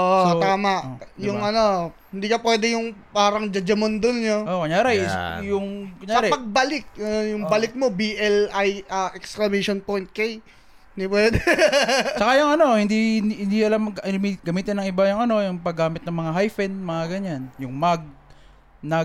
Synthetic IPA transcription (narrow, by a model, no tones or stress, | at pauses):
oʔt̪aːmɐʔjʊŋʔɐno̞hɪnd̪iːkɐpwɛːd̪ɛjʊŋpaːɾɐŋd͡ʒɐd͡ʒɐmond̪ʊnɲoʔokɐɲaːɾɛsjʊŋkɐɲaɐːɾɛpɐɡ̚balɪk̚ɐjʊŋbɐlɪk̚mo̞biʔɛlʔajɐʔɛksklɐmɛjʃonpojnt̪̚kej | nd̪ipwɛːd̪ɛ | t͡ʃɐkajʊŋɐno̞hɪnd̪ihɪnd̪iɐlammiɡɐmiːt̪ɪnɐŋʔɪbajʊŋɐno̞jʊŋpɐɡːaːmɪt̪nɐŋmɐŋaɦajfɛnmɐŋaɡɐɲanjʊŋmɐɡ̚ | nɐ